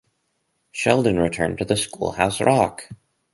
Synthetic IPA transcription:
ʃɛlˠdɨ̃nɹɨtʰɜ̰̃˞ntʰɨðɨskṵlˠhaʊsɹɑk

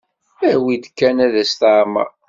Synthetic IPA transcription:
æwid̪kːænæðæst̪aʕmæ̰

